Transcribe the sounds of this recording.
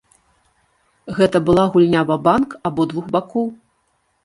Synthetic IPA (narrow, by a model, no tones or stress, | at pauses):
ɣɛt̪ɐbɨlˠaɣulʲnʲavɐbankabɔd̪vuɣbakɔw